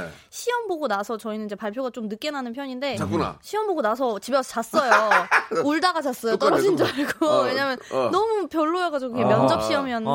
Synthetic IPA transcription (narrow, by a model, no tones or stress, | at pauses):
ɕʰiʌmboɡonasʰʌt͡ɕʌinɯnid͡ʑe̞paɭpʰjoɡat͡ɕomnɯk͈enanɯnpʰjʌɲinde̞ak͈una̰ɕʰiʌmboɡonasʰʌt͡ɕibʌt͡ɕas͈ʌjo | uɭdaɡad͡ʑas͈ʌot͈ʌɾʌd͡ʑind͡ʑaaɭɡoweɲamjʌnnʌmupjʌɭːoʌɡad͡ʑiɡokɡemjʌnd͡ʑʌp̚ɕ͈iʌmjʌn